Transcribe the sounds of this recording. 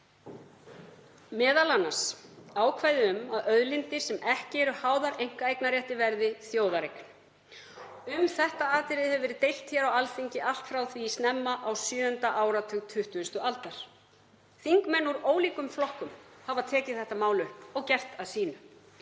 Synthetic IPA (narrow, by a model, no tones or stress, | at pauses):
mɛːðalanːasaːwkʰvaːjðɪʏmaðœðlɪnt̪ɪ̥sɛmɛhcɪɛɾʏhaːwðaɾejŋ̥kaejknaɾjɛht̪ɪvɛɾðɪθjoːwðaɾejknʏ | ʏmθɛht̪aaːt̪ɪɾɪðhɛvʏvɛːɾɪt̪ejl̥t̪çɛɾawalfiɲcɪʔal̥t̪fɾawθviːst̪nɛmːaʔawsjʏːʏnt̪aʔaːwɾat̪ʰʏɣt̪ʰʏht̪ʏst̪ʏʔalt̪aɾ̥ | θiŋkmɛnːuɾoːwliːkʏmflɔhkʏmhavaðt̪ʰɛːcɪ̥θɛht̪amaːwlœhpɔɣcɛr̥t̪aðsiːnʏ